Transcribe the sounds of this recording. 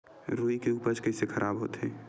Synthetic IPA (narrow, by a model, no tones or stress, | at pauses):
ɾuːikeuːpəɾt͡ʃkɛɦsekʰəɾʔaːbɦo̰ːt̪eɛ̃ː